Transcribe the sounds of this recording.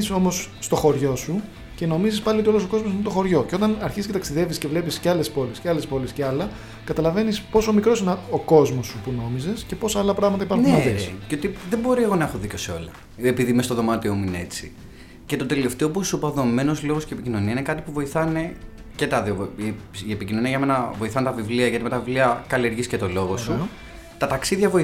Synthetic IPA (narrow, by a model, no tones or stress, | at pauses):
so̞mo̞sːt̪o̞xo̞ɾʝo̞su | ce̞no̞mizispɐlioio̞losoko̞zmos̬inet̪oxo̞ɾʝo̞ceo̞t̪ɐnɐɾçisiscet̪ɐksiðe̞visce̞vle̞pisceɐle̞spo̞lisceɐle̞spo̞lisceɐlɐ | kɐt̪ɐlɐve̞nispo̞so̞mikɾo̞sineoko̞zmo̞sːupuno̞mize̞sce̞po̞sɐɐlɐpɾɐɣmɐt̪ɐipɐɾxuɐessceot̪iðembo̞ɾieɣo̞nɐexoðico̞seo̞̰lɐ | epiðimest̪oðo̞mɐt̪iomuineet͡sḭ | ce̞t̪o̞t̪e̞le̞ft̪eop̬osopɐðo̞me̞no̞zlo̞ɣosceːpicino̞niɐinekɐt̪ipuvo̞iθɐne̞ | ce̞t̪ɐðoo | iepicino̞niɐʝɐme̞nɐvo̞iθɐnet̪ɐvivliɐʝɐt̪imet̪ɐvivliɐkɐlieɾʝiscet̪o̞lo̞ɣo̞ssu | t̪ɐt̪ɐksiðʝɐvo̞i